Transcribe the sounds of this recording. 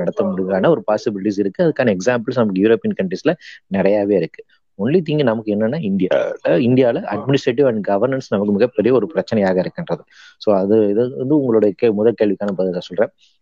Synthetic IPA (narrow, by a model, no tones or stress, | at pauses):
ɐɽɐt̪ːɐmʊɽɪɡaːnaɔɾɯpaːsɪbɪlɪʈisɪɾɯkːɯɐðɯkːaːnɐɛksaːmpɐɭsnɐmɐkːɯjuɾoːpːijɐnkɐɳʈɾisɪlɐnɪɾɐjaːʋeːɪɾɯkːɯ̥ | ɔɳlit̪̬ːiːŋɡinɐmɐkːɯɛnːɐnːaːɪnd̪ɪja̰ːlɐɪnd̪ɪjaːlɐʔɐɖmɪnɪsʈɾeʈ̬ɪʋɐɳɖɡɐʋɐɾnɐnsnɐmɐkːɯmɪɣɐpːɛɾɪjɐɔɾɯpɪɾɐt͡ʃːɐnɐjaːɣɐɪɾɯkːɪndrɐðɯ | soːɐðɯɐ̰nd̪ɯʊŋɡɐɭoːɽɐjɐkeːmʊðɐkeːɭʋɪkaːnɐpɐːðɐasɔlrẽː